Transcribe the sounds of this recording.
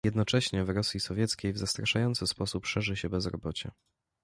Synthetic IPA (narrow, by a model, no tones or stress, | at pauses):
jɛd̪nɔt͡ʂɛɕɲɛvɾɔsʲjisɔvʲjɛt̪skʲejvzast̪ɾaʂajɔnt̪sɘspɔsupʂɛʐɘɕɛbɛzɾɔbɔt͡ɕɛ̰